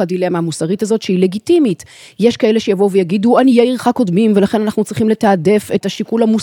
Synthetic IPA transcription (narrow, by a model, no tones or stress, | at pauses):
adileameamusaʁitazo̞tʃeile̞ɡitimit | je̞ʃkae̞leʃejavo̞uvejaɡiduanijeiʁχako̞dmimve̞laχe̞nanaχnut͡sʁiχimle̞taːde̞fe̞taʃikulamu